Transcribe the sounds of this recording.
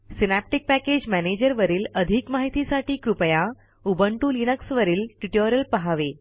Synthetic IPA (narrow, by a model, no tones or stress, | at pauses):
sinæp̚ʈik̚pæked͡ʑmæned͡ʑəɾʋəɾiːləd̪ʱikmaɦit̪isaʈʰiːkɾupəja | ubʱəɳʈuːlinəksʋəɾiːlʈiʈoɾjəlpəɦaʋe